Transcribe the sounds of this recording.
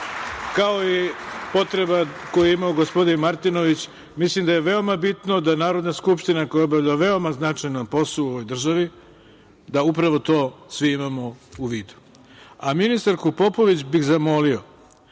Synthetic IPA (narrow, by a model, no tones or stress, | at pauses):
kao̞ipo̞t̪ɾe̞bako̞juimaoɡo̞spo̞d̪inmaɾt̪ino̞ʋit͡ɕ | mislimd̪aje̞ʋe̞o̞mabit̪nod̪anaːɾo̞d̪naskupʃt̪inakojaobaʋʎaʋe̞o̞maznat͡ʂajnompo̞sˠuuoʋo̞jd̪r̩ʒaʋi | d̪aupɾaʋo̞t̪o̞ːsʋiimamo̞uʋiːd̪u̥ | aminist̪aɾkupo̞po̞ʋit͡ɕbixzamo̞lio̞